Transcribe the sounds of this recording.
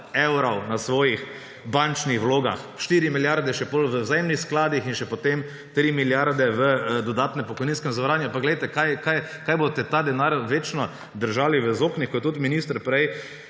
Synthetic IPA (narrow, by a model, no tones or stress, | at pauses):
ewɾɐwnasʋɔːjix | bant͡ʃnixwloːɡa̰xʃt̪iːɾimiljaɾd̪ɛʃɛpolʋəwzajemnixsklaːd̪ixinʃɛpot̪em | t̪ɾimiljaɾd̪ɛʋəd̪ɔd̪aːt̪nɛpɔkɔjniːnskɛmzʋɾaːnjʊampaɡlɛjt̪ɛkajkajkaːjbot̪ɛt̪ad̪ɛnaɾʋeːt͡ʃnɔ | d̪əɾʒaːliʋəzoːknixkɔtt̪ut̪minist̪əɾpɾɛj